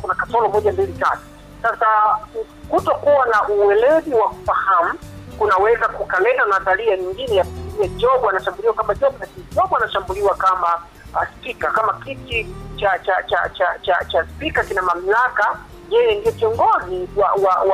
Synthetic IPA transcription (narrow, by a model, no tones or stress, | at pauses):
kunakatɔlɔmɔʄambilita̰tu̥ | sasa | kutɔkuwanaʔuwɛlɛziwaku̥fahamukunawɛzakukalɛnanataliaɲiŋɡinɛjakumziaʄɔɓanaʃambuliwakamaʄɔɓɔlakinid͡ʒɔɓɔanaʃambuliwakama | spikakamakitit͡ʃat͡ʃat͡ʃat͡ʃat͡ʃat͡ʃaspikakinamam̩laka | jɛjɛndijɔkiɔŋɡɔziwawawa